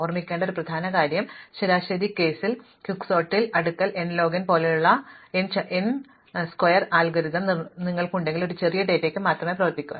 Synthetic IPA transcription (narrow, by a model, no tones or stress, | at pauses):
ormikʲːeːɳɖɐo̞ɾuprɐd̪ʱaːnɐkaːɾjɐmɕeɾaːɕɐd̪ʱike̞ːsil | kjukːso̞ːʈːilɐɽukːɐlenlo̞ːɡɐnpo̞ːlejuɭːɐenʔen | skwɐjɐraːlɡɐɾiðɐmniŋːɐɭkuɳɖe̞ŋɡilo̞ɾut͡ɕe̞rijɐɖe̞ːtːe̞ːkːɨmaːt̪rɐmeːprɐʋɐrp̪ikʲːuʋɐ̰